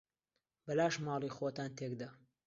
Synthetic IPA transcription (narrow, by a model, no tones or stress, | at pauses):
bɐlaːʃmɑːlˠiːxot̪aːnt̪ʰeːkd̪aː